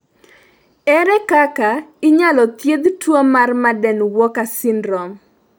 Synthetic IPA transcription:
ɛɾɛkakaɪɲalɔt̪jed̪twomarmadɛnwɔkasɪndɾɔm

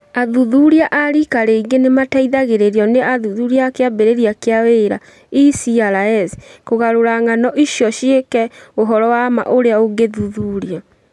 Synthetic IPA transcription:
aðuðuɾiaʔaɾikaɾeiɡenemataiðaɣeɾeɾjɔneʔaðuðuɾiakeabeɾeɾiakeaweɾa̰ | isiaɾaɛskoɣaɾoɾaŋanɔʔiʃjɔʃiekɛoɦɔɾɔwama̰ʔoɾeaoɡeðuðuɾia

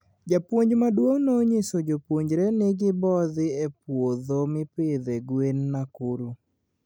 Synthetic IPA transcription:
d͡ʒapwoɲd͡ʒmadwoŋnoɲesod͡ʒopwoɲd͡ʒɾɛnɪɡɪbɔðɪepwoðomɪpɪðeɡwenːakuɾu

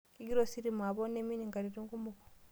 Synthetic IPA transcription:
kiɡiɾosiɾimuaβoneminiŋɡaɾiɾiŋɡumuko̥

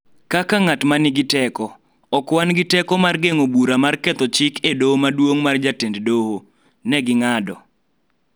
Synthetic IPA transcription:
kakaŋatmanɪɡɪtɛkɔ | ɔkwanɡɪtɛkɔmarɡeŋobuɾamarkɛt̪ɔt͡ʃɪkʰedomadwoŋmard͡ʒatenddoho | nɛɡɪŋadɔ

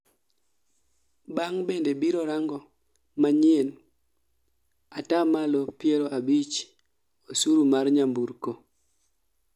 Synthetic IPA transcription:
baŋbendebiɾɔɾaŋɡɔ | maɲen | atamalopjeɾoʔabit͡ʃ | osuɾumarɲambuɾko

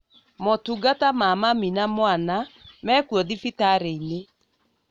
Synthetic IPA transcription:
mɔtuɡatamamaminamwanamɛːkwɔðifitaɾeine

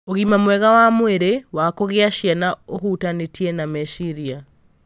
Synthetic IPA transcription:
oɣimamwɛɣawamweɾewakoɣeaʃjanaohutanetiɛnamɛʃiɾia

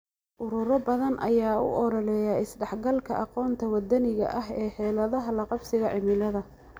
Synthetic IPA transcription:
ʔʊɾʊɾɔbɐðɐnʔɐ̰jaːʊ̰ʔɔɾɔlɛːjaɪsɖɛħɡɐlkʰɐ̰ʔɑqɔːnt̪ʰɐwɐd̪ɐnɪɣɐ̰ʔɐɦɛːħɛːlɐðɐɦɐlɐqɑbsɪɣɐʕɪmɪlɐðɐ

